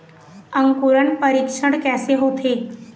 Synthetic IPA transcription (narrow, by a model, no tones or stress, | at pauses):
əŋkuɾəɳpəɾikʂəɽkɛseɦot̪ʰe